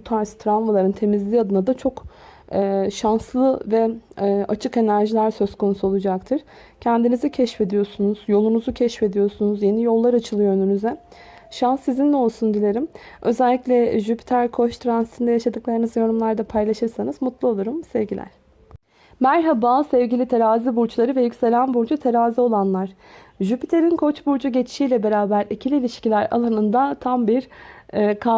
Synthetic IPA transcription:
t̪ʰaɾst̪ʰɾalmalˠaɾɯnt̪ʰe̞mizlʲiːad̪ɯnad̪at͡ʃʰo̞k | ɛːʃanslˠɯvɛat͡ʃʰɯke̞næɾʒilʲæɾsø̞zkʰo̞nusuo̞lˠud͡ʒak̚t̪ʰɯɾ̥ | cʰænd̪inizɛcʰɛʃfe̞d̪ijo̞sunuz̥jo̞lˠunuzucʰɛʃfe̞d̪ijo̞ɾsunuzje̞nijo̞lˠːaɾat͡ʃʰɯlˠɯjo̞ønynyzɛ | ʃansːizind̪ɛo̞lˠsund̪ilʲe̞ɾimø̞zælʲːiclʲɛʒypʰi̥t̪ʰæɾkʰo̞ʃt̪ʰɾansi̥t̪ʰind̪ɛjaʃad̪ɯklˠaɾɯnɯzjo̞ɾumlˠaɾd̪apʰajlˠaʃɯɾsanɯzmut̪lˠuolˠuɾumsɛvɟilʲæ̰ɾ̥ | mæɾɦabasɛvɟilʲit̪ʰe̞ɾaːzibuɾt͡ʃʰlˠaɾɯvɛjycse̞lʲænbuɾd͡ʒut̪ʰe̞ɾaːzio̞lˠanlˠaɾ̥ | ʒypʰit̪ʰe̞ɾinkʰo̞t͡ʃbuɾd͡ʒuɟe̞t͡ʃʰi̥ʃiːlʲɛbe̞ɾaːbæɾicʰilʲiːlʲiʃcilʲæɾa̰lˠanɯnd̪at̪ʰambiɾ | kʰa

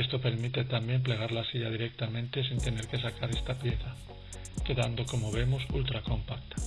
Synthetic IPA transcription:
est̪ope̞ɾmit̪e̞t̪ambje̞mpleɣ̞aɾlasiʎað̞iɾek̚t̪amẽ̞nt̪e̞sint̪e̞ne̞ɾke̞sakaɾe̞st̪apjeθa | ke̞ðand̪o̞ko̞moβe̞mosṵlt̪ɾako̞mpak̚t̪ḁ

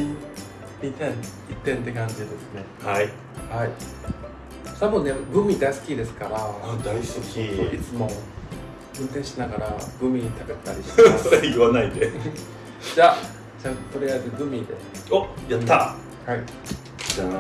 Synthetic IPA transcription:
it̪ẽn | it̪ːẽ̞nt̪ːe̞kãɲ̟d͡ʑid̪e̞sɨne̞hai | hai | sabɯ̃nːeɡɯ̟mʲid̪aisɨ̥kʲid̪e̞sɨ̥kaɾad̪aiskʲiit͡sɨmo̞ | ɯ̟̃nt̪ẽ̞ɰ̃ɕinaɡaɾaɡɯ̟mʲiɲit̪abet̪ːaɾʲisaɯβanaid̪e | d͡ʑa | d͡ʑat̪o̞ɾejaizɨɡɯ̟mʲid̪e̞̰ | ojat̪ːa | hai | d͡ʑa

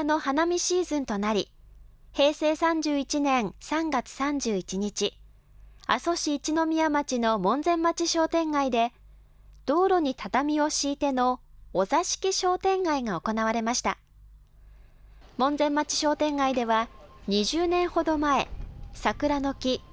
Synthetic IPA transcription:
no̞hanamʲiɕiːzɨ̃nt̪o̞naɾʲi | he̞ːse̞ːsãɲ̟d͡ʑɨːit͡ɕinẽ̞ɰ̃sãŋɡat͡sɨ̥sãɲ̟d͡ʑɨːit͡ɕiɲ̟it͡ɕi | a̰so̞ɕiːt͡ɕino̞mʲiamat͡ɕino̞mõ̞nd͡zẽ̞mːat͡ɕiɕo̞ːt̪ẽ̞ŋɡaid̪e̞ | d̪̥o̞ːɾo̞ɲ̟it̪ʰat̪amʲio̞ɕiːt̪e̞no̞ːzaɕi̥kʲiɕo̞ːt̪ẽ̞ŋɡaiɡao̞ko̞naβ̞aɾe̞maɕi̥t̪a | mõ̞nzẽ̞mːat͡ɕi̥ɕo̞ːt̪ẽ̞ŋɡaid̪e̞β̞aɲ̟iʑɨːnẽ̞ɰ̃ho̞d̪o̞mae̞sakɯ̟ɾano̞kʲi

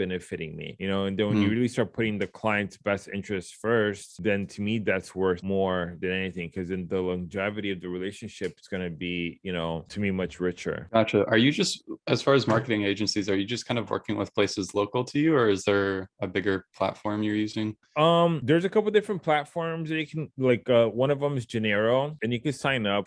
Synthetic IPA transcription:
b̥ɛnɨfɨɾɪ̃ŋmḭjɨnoʊɨ̃nðɨ̃nwɨ̃njɨɹɪlˠistɑɹt̚pʰʊɾɪ̃ŋðɨkʰl̥aɪɨ̃ntsb̥ɛstɪ̰̃nt͡ʃɹ̥ɨstfɜ˞st̚ðɨ̃ntʰɨmiðætswɜ˞θmɔɹðɨ̃nɛniθɪ̃ŋkʰʌzɨ̃nðəlɑ̃ŋd͡ʒɛvɨɾiʌvðɨɹileɪʃɨ̃nʃɪpsɡ̥ʌnɨbijɨñoʊtʰɨmimʌt͡ʃɹɪt͡ʃə̰˞æt͡ʃʔə˞jɨd͡ʒʌstɨz̥fɑɹɨzmɑɹkɨɾɪ̃ŋeɪd͡ʒɨ̃nsizə˞jɨd͡ʒʌskʰãɪ̃ndʌvwɜ̰˞kɪ̃ŋwɨ̰ð̥pʰl̥eɪsɨzloʊkl̩ˠtʰɨjʉə˞ɨzðə˞ɨbɪɡə˞pʰl̥æ̰tfɔɹmjə˞jʉzɪ̃ŋ | ʌ̃mðə˞zɨkʰʌpl̩ˠdɪfɹɨ̃npʰl̥ætfɔɹmzðɨɨkʰn̩laɪkʌwʌ̃ñʌvə̃mɨzd͡ʒɨnɛɹoʊɨ̃njɨkɨd̥sãɪ̃nʌp̚

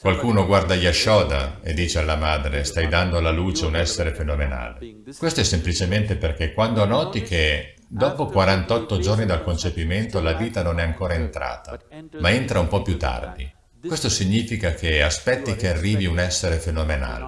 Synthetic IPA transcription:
kwalkuːnoɡward̪ajaʃːɔːd̪a̰ḛd̪ːiːt͡ʃealːamaːd̪ɾest̪ajd̪and̪oalaluːt͡ʃeunɛsːeɾefenomena̰ːle | kwest̪oɛsːemplit͡ʃement̪eperk̟ekːwand̪oanɔːt̪ike | d̪ɔːpokwaɾant̪ɔt̪ːod͡ʒornid̪alkont͡ʃepiment̪olaviːt̪anonɛaŋkoːɾaent̪ɾa̰ːt̪amaent̪ɾaumpɔpːjut̪ːa̰rd̪i | kwest̪osiɲːiːfikak̟ʰeaspɛt̪ːikearːiːviunɛsːeɾefenomena̰ːlḛ

